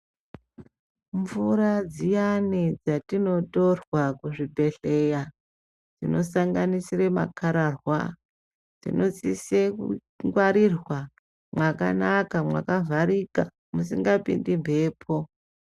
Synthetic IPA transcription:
ɱvurad͡zijaned͡zatino̞torwakuʐibʱe̞ɬe̞ja | d͡zino̞saŋɡanisirema̰kʰaɾarwa | d͡zḭno̞t͡sisekṵ | ŋɡwaɾirwa | mwaka̰nakamwa̰kavʱaɾika | musiŋɡapḭndimbʱe̞ːpʰo̞

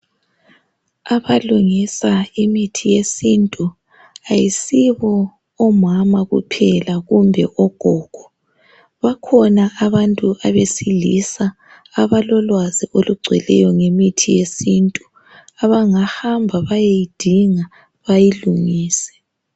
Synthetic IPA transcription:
aβaluŋisaimitʰijesintʼu | ajisiβɔː | mamaɣṵpʰɛlaɣumbʱɛʔɔɡ̥ʱɔːɡ̥ʱɔ | βakʰɔnaʔaβantʼuʔaβesilḭsaː | βalɔlwaziʔoluɡ͡ǀʱwɛ̰lɛ̰jɔŋemitʰijesintʼu | aβaŋahambʱaβajejid̥ʱiŋa | βajiluŋiːsɛ̥

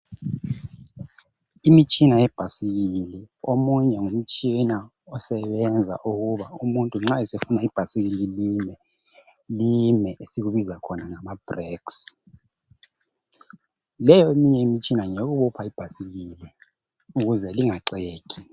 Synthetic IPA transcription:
imit͡ʃʼinajɛb̥ʱasiɣilɛomuɲɛŋum̩t͡ʃʼina | ɔsɛβɛnd͡zʱa̰ʔuɣuβaumuntʼuŋ͡ǁaɛsefunaib̥ʱasiɣililimɛ | limɛesiɣuβizakʰɔnaŋamab̥rɛks | lɛjɔemiɲɛimit͡ʃʼʰinaŋeɣuɓupʰaib̥ʱasiɣilɛ | uɣuzɛliŋaǁeːkʰʼi

